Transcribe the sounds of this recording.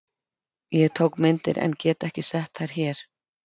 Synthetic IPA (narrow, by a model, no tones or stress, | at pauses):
jɛɣt̪ʰowkmɪnt̪ɪɾɛ̰ncɛːt̪ɛhcɪsɛht̪θaɾ̥çɛːɾ̥